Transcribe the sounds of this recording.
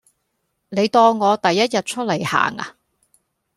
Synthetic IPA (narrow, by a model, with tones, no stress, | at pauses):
ne˨˧jt̪ɔː˧ŋɔː˨˧t̪ɐ˨jːɐ˥t̚jɐ˨t̚t͡ʃʰɵ˥lɐ˨˩jha̰ː˨˩ŋa̰˧